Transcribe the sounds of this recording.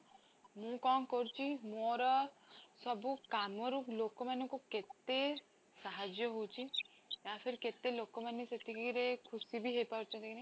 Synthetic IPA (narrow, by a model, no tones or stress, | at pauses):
mũkɔŋkɔɾut͡ʃʰimoɾɔsɔbukamɔɾulokɔmanɔ̃kuket̪e | saɦad͡ʒjɔɦowt͡ʃʰi | apʰeɾiket̪elokɔmaneset̪ʰikɾekʰusibʱiɦejpaɾt͡ʃʰɔ̃t̪ekine